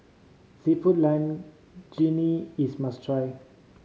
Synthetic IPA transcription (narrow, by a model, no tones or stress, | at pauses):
sitfutlãn | d͡ʒiniismastʰɹaj